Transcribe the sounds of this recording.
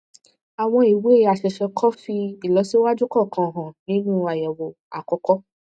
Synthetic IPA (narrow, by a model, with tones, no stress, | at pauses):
a˨w̃ɔ̃˧i˨we˨˦˨a˨ʃɛ˨ʃɛ˧kʰɔ˦fi˧i˨lɔ˨˧˦si˦wa˦d͡ʒu˦kɔ˦˨kʰã˨ɦã˨nĩ˦nũ˦a˨jɛ˨wo˨ | a̰˨kɔ˧kɔ˦